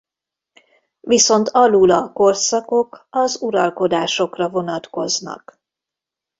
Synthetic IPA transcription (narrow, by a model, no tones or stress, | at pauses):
viso̞nt̪ʰɒlulɒko̞rsɒko̞kɒzuɾɒlko̞d̪aːʃo̞krɒvo̞nɒt̪ko̞znɒ̰k